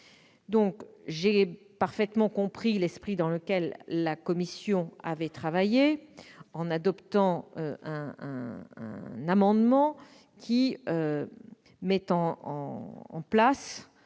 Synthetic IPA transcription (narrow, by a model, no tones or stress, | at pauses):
d̪ɔ̃kʒe | paʁfɛt̪mɑ̃kɔ̃pχilɛspχid̪ɑ̃ləkʲɛlːakɔmisjɔ̃a̰vɛt̪χavajeɑ̃nad̪ɔpt̪ɑ̃øɛ̃ɛ̃ | namɑ̃d̪mɑ̃ | kʲiø | mɛt̪ɑ̃ɑ̃ɑ̰̃plas